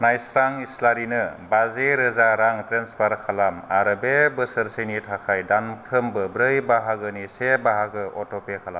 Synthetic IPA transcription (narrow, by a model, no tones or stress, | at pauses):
najsɾaŋislaɾinɯbazeɾɯzaɾaŋtɾenspʰaɾkʰalama̰ɾɯbebɯsəɾsenitʰakʰajdanpʰɾɯmbɯbɾɯjbaɦaɡɯnisebaɦaɡɯʔɔtɔpekʰalam